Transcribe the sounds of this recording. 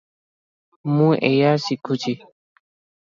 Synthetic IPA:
mũʔḛjasikʰut͡ʃi

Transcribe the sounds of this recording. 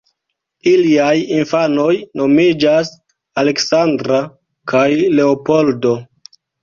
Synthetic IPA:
iliajinfano̞jno̞mid͡ʒas | aleksandɾa | kʰajle̞opo̞ldo̞

